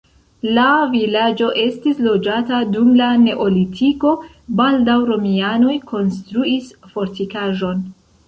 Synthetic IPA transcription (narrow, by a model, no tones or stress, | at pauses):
lavilad͡ʒo̞ʔe̞stislo̞d͡ʒatadumlane̞ʔo̞litʰiko̞ | baldawɾo̞miano̞jko̞nstɾuisfo̞ɾtikaʒo̞n